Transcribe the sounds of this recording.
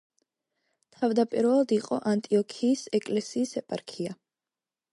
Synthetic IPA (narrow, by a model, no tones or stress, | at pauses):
t̪ʰavd̪apʼiɾvɛlˠad̪iqʼɔ̰ʔant̪ʼiɔkʰiːsɛkʼlɛsiːsɛpʼaɾkʰia